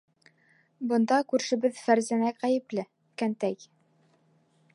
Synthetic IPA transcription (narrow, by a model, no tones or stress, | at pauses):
bɤ̆nd̪ɑkʉɾʃɘ̆bɘðfæɾzænækʁæjɘ̆plɘ | kænt̪æj